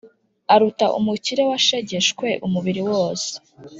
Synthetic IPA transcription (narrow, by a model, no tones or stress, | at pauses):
aɾutaʔṵmuciɾe̞waʃeɟe̞ʃkwe̞ʔumuβiɾiwoːse̥